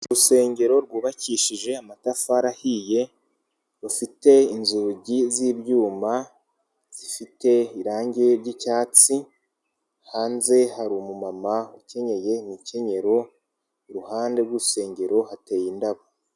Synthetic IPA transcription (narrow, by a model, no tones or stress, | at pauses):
uɾuse̞ːɲɟe̞ɾo̞ɾɡuːβaciːʃiʒe̞amatafaɾahije̞ | ɾufite̞inzuɟiziːbjuːma | z̥ifite̞iɾaːɲɟeɾɟicaːt͡si | haːnze̞haɾumumamauce̞ɲe̞je̞nice̞ɲe̞ɾo̞ | ɾuhaːnde̞ɾɡuɾuse̞ːɲɟe̞ɾo̞hate̞ːjindaβo